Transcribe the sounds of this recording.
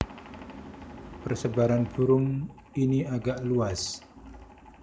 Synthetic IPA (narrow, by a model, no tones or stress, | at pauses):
pərsəbaɾanbuɾʊŋ | iniaɡaʔluas